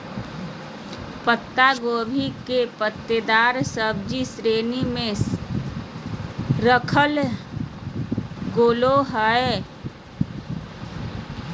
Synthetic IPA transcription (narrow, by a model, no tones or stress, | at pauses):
pət̪ːaɡoːbʱikepət̪ːəd̪aːɾsəb̚d͡ʒisɾeːnimẽ | ɾəkʰəl | ɡoːloɦəe